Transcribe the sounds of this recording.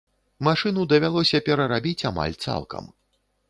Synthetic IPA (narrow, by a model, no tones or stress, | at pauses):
maʂɨnud̪ɐvʲalˠɔsʲɐpʲɛɾɐɾabʲit͡sʲama̰lʲt̪sa̰lˠkɐ̰m